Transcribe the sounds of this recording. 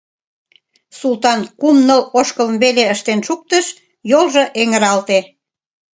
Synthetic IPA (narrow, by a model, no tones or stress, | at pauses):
sult̪ɑnkumnəloʃkələmβeleəʃt̪enʃuk̚t̪əʃ | jolʒɤ̆ʔeŋəɾɑlt̪e